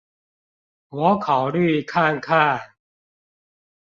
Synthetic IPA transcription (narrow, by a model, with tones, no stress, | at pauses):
wɔ˨˦kʰa˨˩wly˥˨kʰa˥˧˩ŋkʰa˥˩